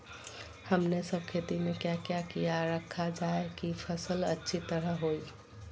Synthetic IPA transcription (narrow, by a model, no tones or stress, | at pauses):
həmnesəb̚kʰet̪imekjakjakijaɾəkʰːad͡ʒaekipʰəsələtːʃʰit̪əɾəɦoj